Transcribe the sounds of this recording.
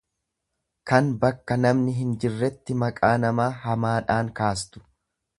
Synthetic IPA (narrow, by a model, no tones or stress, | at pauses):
kɐnbɐkːɐnɐmnɪɦɪnd͡ʒɪrːɛt̪ːɪmɐkʼaːnɐmaːɦɐmaːᶑaːŋkaːs̬t̪ʊ̥